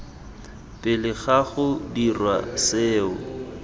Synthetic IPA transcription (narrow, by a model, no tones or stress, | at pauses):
pʼɪlɪɣaɣʊdirwa̰seːʊ